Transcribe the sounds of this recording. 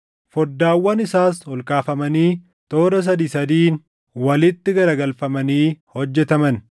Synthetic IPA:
fɔd̪ːaːwːɐnɪsaːsɔlkʼaːfɐmɐniː | t̪o̞ːɾɐs̬ɐd̪iːsɐd̪iːn | wɐlɪt̪ːɪɡɐɾɐɡɐlfɐmɐniːhɔd͡ʒːɛt̪ɐmɐn

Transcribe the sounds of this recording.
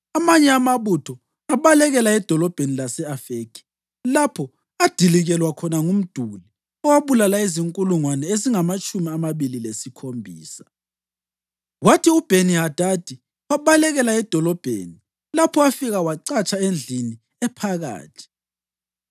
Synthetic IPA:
amaɲɛamaβutʰɔ | aβalɛɣɛlaɛd̥ʱɔlɔb̥ʱenilasɛafekʰi̥ | lapʰɔ | ad̥ʱiliɣɛlwakʰɔnaŋum̩d̥ʱuli | ɔwaβulalaiziŋkʼuluŋwanɛeziŋamat͡ʃʼumiamaβililesikʰombʱḭːsḁ | watʰiub̥ʱeniɦad̥ʱad̥ʱi | waβalɛɣɛlaɛd̥ʱɔlɔb̥ʱḛːni | lapʰɔafiɣawaǀat͡ʃʼaend͡ɮʱini | ɛpʰaɣa̰ːtʰi̥

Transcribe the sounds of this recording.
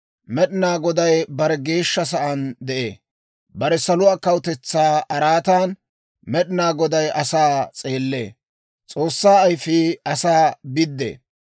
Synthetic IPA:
mɛɗɪnaːɡɔd̪ɐjbɐɾɛɡe̞ːʃːɐs̬ɐʔɐnd̪ɛʔe̞̰ː | bɐɾɛsɐlʊaːkɐwʊt̪ɛt͡sːaːɐɾaːt̪aːn | mɛɗɪnaːɡɔd̪ɐjʔɐsaːt͡sʼe̞ːlːḛː | t͡sʼo̞ːsːaːɐjfiːɐsaːbɪd̪ːḛː

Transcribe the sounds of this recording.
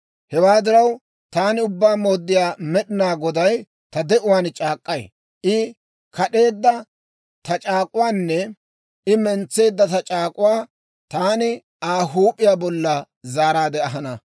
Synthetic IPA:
hɛwaːd̪ɪɾɐw | t̪aːnɪʊbːaːmo̞ːd̪ːɪjaːmɛɗɪnaːɡɔd̪ɐj | t̪ɐd̪ɛʔʊwaːnt͡ʃʼaːkʼːɐj̰ | ʔɪ | kɐɗe̞ːd̪ːɐ | t̪ɐt͡ʃʼaːkʼʊwaːnːɛ | ɪmɛnt͡sːe̞ːd̪ːɐt̪ɐt͡ʃʼaːkʼʊwaː | t̪aːnɪ | aːɦuːpʼɪjaːbɔlːɐ | zaːɾaːd̪ɛɐɦɐnɐ

